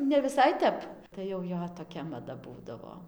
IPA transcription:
nʲɛʋʲɪˈsɐɪ ˈtʲɛp tɐɪ jɛʊ ˈjoː toːˈkʲɛ mɐˈdɐ ˈbuːdɐʋoː

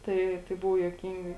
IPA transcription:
ˈtɐɪ tɐɪ ˈbʊʋoː juɔˈkʲiːŋɡɐɪ

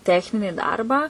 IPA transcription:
ˈtʲæːxʲnʲɪnʲɪ ˈdɐrbɑː

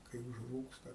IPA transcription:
kɐɪ ʊʒˈruːkstɐ

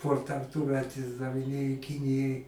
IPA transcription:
ˈkʊr tʲɛn tuːˈmʲɛt ɪʒdɐʋʲɪˈnʲeːjoː ˈkʲɪnʲɪjɛɪ

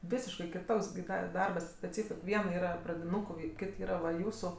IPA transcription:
ˈʋʲɪsʲɪʃkɐɪ kʲɪˈtoːks ɡʲɪ ˈdɐ ɪ ˈdɐrbɐs ɐtʲˈsʲɛɪt ˈʋʲiɛnɐ ˈiːrɐ prɐdʲɪˈnuːkʊɪ ˈkʲɪt ˈiːrɐ ʋɐ ˈjuːsʊ

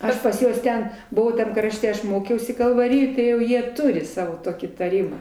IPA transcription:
ˈɐʃ pɐs ˈjuɔs ˈtʲɛn ˈbʊʋɐʊ tɐm ˈkrɑːʃʲtʲɛ ˈɐʃ ˈmoːkʲɛʊsʲɪ kɐlˠʋɐˈrʲɪjoːj tɐɪ jɛʊ ˈjiɛ ˈtʊrʲɪ ˈsɑːʋoː ˈtoːkʲiː tɐˈrʲɪmɑː

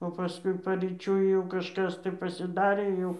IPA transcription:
oː pɐˈskʊɪ pɐrʲiːˈt͡ʃʲʊɪ jɛʊ kɐʃˈkɐs tɐɪ pɐsʲɪˈdɑːrʲeː ˈjɛʊ

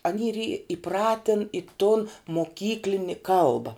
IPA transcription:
ɐˈnʲiː iːr iː ɪˈprɑːtʲɪn ɪ tʊn moːˈkʲiːklʲɪnʲɪ ˈkɐlˠbɐ

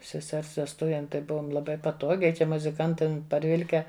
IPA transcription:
sʲɛˈsʲɛrs ʋʲɛsˈtʊʋʲeːm tɐɪ ˈbʊʋoːm lˠɐˈbɐɪ pɐˈtoːɡʲɛɪ ˈt͡ʃʲɛ mʊzʲɪˈkɐntɐm pɐrʲˈʋʲɪlʲkʲɛ

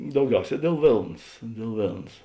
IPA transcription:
dɐʊˈɡʲɛʊˌsʲɛː dʲeːlˠ ˈʋʲeːlˠns dʲeːlˠ ˈʋʲeːlˠns

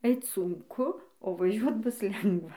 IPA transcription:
ˈɛɪt sʊŋˈkʊ oː ʋɐˈʒʲuɔt ˈbʊs ˈlʲɛŋɡʋɐ

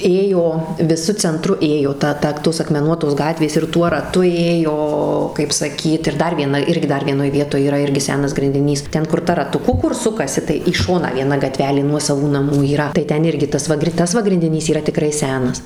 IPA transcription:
ˈeːjoː ʋʲɪˈsʊ t͡sʲɛnˈtrʊ ˈeːjoː ˈtɐ ˈtɐ ˈtoːs ɐkmʲɛˈnuɔtoːs ˈɡɑːtʲʋʲeːs ɪr ˈtuɔ rɐˈtʊ ˈeːjoː kɐɪp sɐˈkʲiːt ɪr ˈdɐr ʋʲiɛˈnɐ ˈɪrʲɡʲɪ ˈdɐr ʋʲiɛˈnoːj ˈʋʲiɛtoːj iːˈrɐ ˈɪrʲɡʲɪ ˈsʲæːnɐs ɡrʲɪnʲdʲɪˈnʲiːs ˈtʲɛn kʊr ˈtɐ rɐtʊˈkʊ ˈkʊr ˈsʊkɐsʲɪ tɐɪ iː ˈʃoːnɑː ʋʲiɛˈnɐ ɡɐˈtʲʋʲæːlʲeː ˈnuɔsɐʋuː nɐˈmuː iːˈrɐ tɐɪ ˈtʲɛn ˈɪrʲɡʲɪ ˈtɐs ʋɐ ˈtɐs ʋɐ ɡrʲɪnʲdʲɪˈnʲiːs iːˈrɐ tʲɪˈkrɐɪ ˈsʲæːnɐs

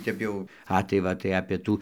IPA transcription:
ˈtʲɛp jɛʊ ˈɐ tɐɪ ˈʋɐ tɐɪ ɐpʲeː ˈtuː

